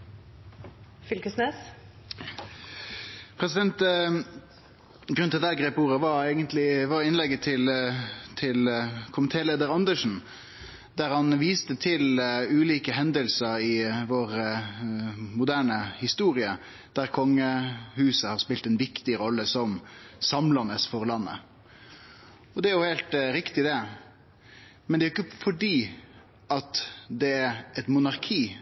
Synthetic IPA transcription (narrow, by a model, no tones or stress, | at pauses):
fʏlkəsneːs | pʰʁɛsɪd̪ɛnt̪ | ɡɾʉnt̪ʰɛld̪ææɡʁeːpuːʁəʋɑɾɛːɡənt̪lɪʋɑʁɪnlɛɡːət̪ʰɪlt̪ʰɪlkʰʊmənt̪ʰeːleːd̪əʁɑnd̪əʂn̩ | d̪æʁhɑnʋiːst̪ət̪ʰɪlʉːliːkəɦɛnd̪əlsəʁɪʋoːʁ | mʊd̪æːɳəhɪst̪uːɾɪə | d̪̥æʁkʰɔŋːəhʉːsəhɑːʁspɪlt̪ɛnʋɪkt̪ɪɾɔlːəsɔmsɑmlɑnəsfɔʁlɑnːə̰ | ɔd̪ɛæɾjʊheːlt̪ɾɪkt̪ɪd̪ɛ | mɛnd̪ɛæːʊɪkːəfɔɖiː | ɑt̪d̪ɛæɾɛt̪mʊnɑʁkʰiː